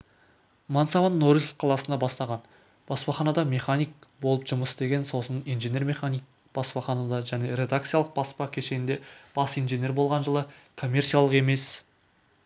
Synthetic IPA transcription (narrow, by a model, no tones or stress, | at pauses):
mɑnsɑvɑnnoɾisʲqʰɑlˠɑsənd̪ɑbɑst̪ɑʁɑn | b̥ɑspɑχɑnɑd̪ɑmʲe̞χanʲijk̚bo̞lˠəpʒʊməsd̪e̞ɡʲe̞nso̞sənijnʒenʲe̞rmʲe̞χanʲijk̚ | b̥ɑspɑχɑnɑd̪ɑʒæne̞ɾʲe̞d̪ak̚t̪sɨjalˠəq̚bɑspɑkʲʰe̞ʃe̞nɪnd̪e̞b̥ɑsijnʒene̞rbo̞lˠʁɑnʒəlˠəkʰo̞mʲːe̞rtsijalˠəqe̞me̞s